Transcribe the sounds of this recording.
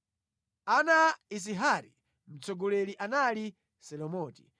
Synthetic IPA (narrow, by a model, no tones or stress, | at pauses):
anais̬iɦaɾḭ | m̩t͡sɔɡɔlɛliʔanali | sɛlɔmɔːti̥̰